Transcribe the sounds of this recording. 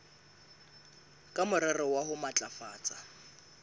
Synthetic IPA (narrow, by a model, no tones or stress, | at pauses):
kʼamʊɾɛrɪwaɦʊmat͡ɬʼafaːt͡sʼa